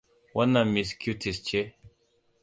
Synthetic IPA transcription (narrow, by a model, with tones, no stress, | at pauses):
wa˦na˨mi˨skju˦tʰi˨st͡ʃe˦